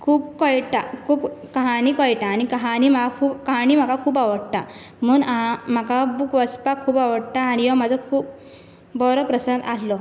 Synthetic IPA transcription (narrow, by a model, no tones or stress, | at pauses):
kʰuːbkɔjʈakʰuːbkaɦaniːkɔjʈaːnikəɦaniːm̤akakʰuːbkəɦaɽ̃iːm̤akakʰuːbaʋəɽt̪a | m̤əːnãm̤akabukʋəspakʰːuːbaʋəɽt̪aːnijɔm̤ad͡zʱɔkʰuːb̚ | bɔɾɔpɾəsənd̪allɔ